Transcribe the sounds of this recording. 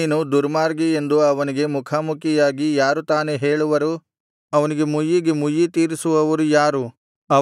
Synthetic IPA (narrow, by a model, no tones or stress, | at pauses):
nud̪uɾmaːɾɡiend̪uɐʋɐniɡe̞mukʰamukijaːɡijaːɾut̪aːneɦeːɭuʋɐɾu | ɐʋɐniɡe̞mujːiɡemujːit̪iːɾisuʋɐʋɐɾujaːɾu | ɐ